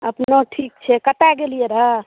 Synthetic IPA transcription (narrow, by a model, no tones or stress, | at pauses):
ə̰pnoʈʰik̚t͡ʃʰɛkət̪aɡelieɾə